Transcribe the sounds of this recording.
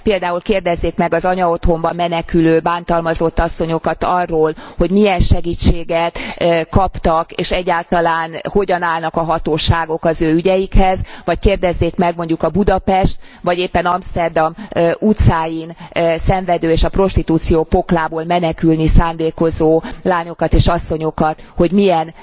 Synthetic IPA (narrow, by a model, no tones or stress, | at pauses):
peːld̪aːulkeːrd̪ɛzːeːkmɛɡɒzɒɲɒo̞t̪hombɒmɛnɛkyløːbaːnt̪ɒlmɒzo̞t̪ːɒsːo̞ɲo̞kɒt̪ɒrːoːlho̞ɟmijɛnʃɛɡiːt͡ʃːeːɡɛt̪kɒpt̪ɒkeːʃɛɟːaːlt̪ɒlaːnho̞ɟɒnaːlnɒkɒɦɒt̪oːʃaːɡo̞kɒzøːyɟɛjikhɛzʋɒckeːrd̪ɛzːeːkmɛɡmo̞ɲɟukɒbud̪ɒpɛʃt̪ʋɒɟeːpːɛnɒmst̪ɛrd̪ɒmut̪saːjinsɛɱvɛd̪øːeːʃɒpro̞ʃt̪it̪uːt̪sijoːpo̞klaːboːlmɛnɛkylnisaːnd̪eːko̞zoːlaːɲo̞kɒt̪eːʃɒsːo̞ɲo̞kɒt̪ho̞ɟmijɛn